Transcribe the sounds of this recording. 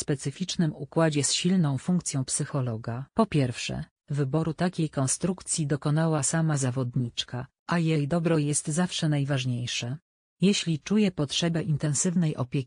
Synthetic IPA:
spɛt̪sɘfʲit͡ʂnɘmukwad͡ʑɛsɕilnɔ̃w̃fuŋk̚t̪sʲjɔ̃w̃psɘxɔlɔɡapɔpʲjɛɾfʂɛ̰ | vɘbɔɾut̪akʲejkɔnst̪ɾukt̪sʲjid̪ɔkɔnawasamazavɔd̪ɲit͡ʂka | ʔajɛjd̪ɔbɾɔjɛst̪zafʂɛnajvaʐɲejʂɛ | jɛɕlʲit͡ʂujɛpɔtʂɛbɛʔint̪ɛnsɘvnɛjʔɔ̰pʲjekʲi̥

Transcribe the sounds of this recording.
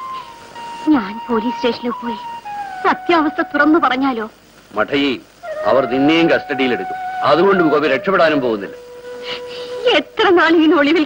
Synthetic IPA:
ɲaːnpo̞ːliːste̞ːʂɐnupːo̞ːjisɐt̪jaːʋɐst̪ʰɐt̪urɐnːɨpɐrɐɲːaːlo̞ː | mɐʈʰɐji | ɐ̰ʋɐrninːejumkɐstɐɽijileɽukʲːuɐðuɣo̞ɳɖumkoʋiɾe̞kʂɐpːeɽaːnumpo̞ːɣunːilːɐ | et̪rɐnaːɭijinoɭiʋil

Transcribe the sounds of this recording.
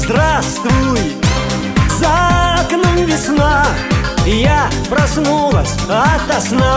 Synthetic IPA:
zd̪ɾast̪vujɪ | zaknɐnvʲɪsna | ja | pɾɐsnulˠɐsʲɐt̪ɐsna

